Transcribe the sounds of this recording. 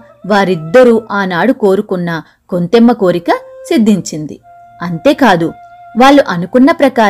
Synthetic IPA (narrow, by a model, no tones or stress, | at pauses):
ʋaːɾid̪ːɐɾuʔaːnaːɽuko̞ːɾukunːɐ | ko̞nt̪emːɐko̞ːɾikɐsid̪ːiɲt͡ʃind̪ḭ | ɐnt̪e̞ːkaːd̪uʋaːɭːuʔɐnukunːɐpɾɐkaː